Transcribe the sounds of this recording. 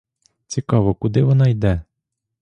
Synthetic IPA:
t͡sʲikɑʋɔkʊd̪ɪʋɔnɑjd̪ɛ

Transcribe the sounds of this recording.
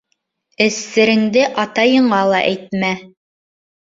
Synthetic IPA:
ɘ̆sːɘ̆ɾɘ̆ŋd̪ɘʔɑt̪ɑjɤ̆ɴɑlˠɑ̰ʔæjt̪̚mæ

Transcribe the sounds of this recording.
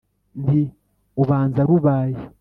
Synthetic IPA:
ndi | uβaːnzaɾuβaːje

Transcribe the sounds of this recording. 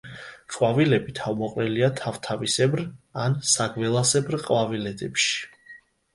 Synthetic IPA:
qʼwavilɛbit̪ʰavmɔqʼɾɛliat̪ʰavt̪ʰavisɛbɾansaɡvɛlˠasɛbɾqʼwavilɛd̪ɛpʃi̥

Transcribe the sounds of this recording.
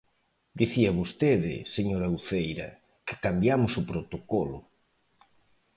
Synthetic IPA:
d̪iθiɐβost̪eðɪ̰seɲoɾauθejɾɐ | kɪ̥kambjamʊsʊpɾot̪okolʊ̰

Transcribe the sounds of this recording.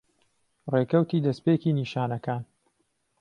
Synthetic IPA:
rekɐwt̪iːd̪ɐspeːciːniːʃaːnɐkaːn

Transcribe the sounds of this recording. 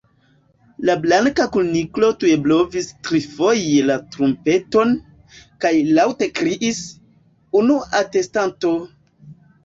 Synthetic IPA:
lablaŋkakuniklo̞tue̞blo̞vistɾifo̞jelatɾumpe̞to̞n | kajlawte̞kɾiʔis | unuate̞stanto̞

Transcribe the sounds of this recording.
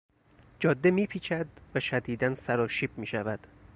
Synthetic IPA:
d͡ʒɒːd̪ːemiːpʰiːt͡ʃʰæd̪væʃæd̪iːd̪ænsæɾɒːʃiːb̚miːʃævæd̪̥

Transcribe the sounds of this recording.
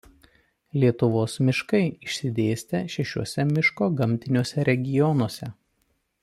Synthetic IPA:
lʲiɛt̪ʊʋoːsmʲɪʃkɐɪɪʃʲsʲɪd̪ʲeːsʲt̪ʲɛʃʲɛʃʲuɔsʲɛmʲɪʃkoːɡɐmʲt̪ʲɪnʲuɔsʲɛɾʲɛɡʲɪjɔnuɔsʲɛ

